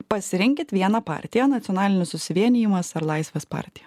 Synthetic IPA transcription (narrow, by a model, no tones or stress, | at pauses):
pɐsʲɪɾʲɪŋʲkʲɪt̪ʋʲiɛnɐpɑ̰ːɾʲt̪ʲɪjɛnɐt̪ʲɔnɑːlʲɪnʲɪsʊsʲɪʋʲiɛnʲɪjɪmɐsɐɾlˠɐɪsʲʋʲeːspɑ̰ːɾʲt̪ʲɪjɛ